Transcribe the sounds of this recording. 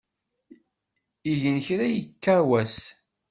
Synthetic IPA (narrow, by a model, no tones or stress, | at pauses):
iʝənçɾæjəkːawæs